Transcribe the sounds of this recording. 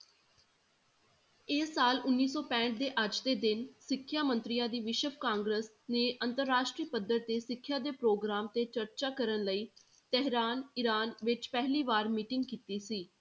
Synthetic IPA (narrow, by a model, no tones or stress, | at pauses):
eːsːaːlʊnːiːsɔːpɛ̃ːɳʈ̚d̪eːʔəd͡ʒd̪eːd̪ɪnsɪkʰːjaːmə̃nt̪ɾɪjãːd̪iːʋɪʃəbkãːŋɡɾəs | neːʔənt̪əɾːaːʃʈɾiːpəd̪əɾ̚d̪eːsɪkʰːjaːd̪eːpɾoːɡɾaːmt̪eːt͡ʃəɾt͡ʃaːkəɾənləiː | t̪ɛɦɾaːnɪɾaːnʋɪt͡ʃpɛɦliːʋaːɾmiːʈɪŋɡ̚kiːt̪iːsiː